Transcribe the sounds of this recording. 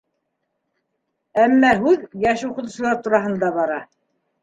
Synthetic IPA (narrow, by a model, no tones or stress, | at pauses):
æmːæɦʉðjæʃuqɤ̆t̪ŭsɤ̆lˠɑɾt̪uɾɑɦɤ̆nd̪ɑβɑɾɑ